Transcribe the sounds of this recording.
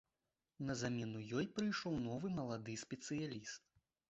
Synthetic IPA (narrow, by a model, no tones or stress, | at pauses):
nɐzamʲɛnujɔjpɾɨjʂɔwnɔvɨmɐlˠad̪ɨsʲpʲɛt̪sɨjalʲist̪